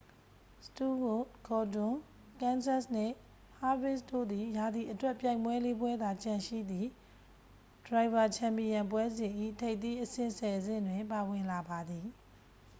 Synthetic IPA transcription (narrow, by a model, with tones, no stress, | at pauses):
stu˦wo˨ɡʰɔ˨dʊ̃˨ | kã˦nsa˦˨snɪ̰̃˦˨ | ha˦bɪ˦˨sdo̰˦˨d̪i˨ja˨d̪i˨ʔətwɛ˦pja˦˨ɪ̃mwɛ˦le˦bwɛ˦d̪a˨t͡ɕã˨ʃḭ˦˨d̪ði˨ | d̥ɹa˨ɪba˨t͡ɕʰã˨mpi˨jã˨mpwɛ˦zɪ̃˨ʔḭ˦˨tʰe˦ɪt̪i˦ʔəsɪ̰̃˦˨sɛ˨zɪ̰̃˦˨ndwɪ̃˨mpa˨wɪ̃˨la˨ba˨d̪i˨